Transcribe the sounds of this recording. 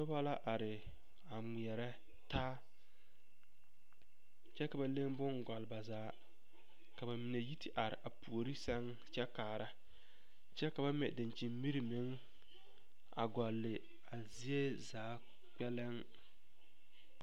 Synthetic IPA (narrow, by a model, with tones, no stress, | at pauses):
tʊ˦ba˦la˦ʔa˨ɾɪ˨ | a˨ŋ͡mi˨ɛ˨ɾɛ˦ | taː˦ | t͡ʃɛ˦ka˨ba˨le˦ŋbʊ˦ŋɡa˨lɪ˨ba˨zaː˨˦ | ka˨ba˨mɪ˨ne˨ji˦tʰi˦ʔa˨ɾɪ̰˨ʔa˨pu˨o˨ɾi˦sɛ˦ŋ | t͡ʃɛ˦kaː˨ɾa˦ | t͡ʃɛ˦ka˨ba˦mɛ̰˨dɪ˨nt͡ʃi˨mmi˦ɾi˨mɪ˨˦ŋ | a̰˨ɡɔ˨lːɪ˨ | a˨zi˦e˦zaː˨˦ | k͡pɛ˦lɪ˦ŋ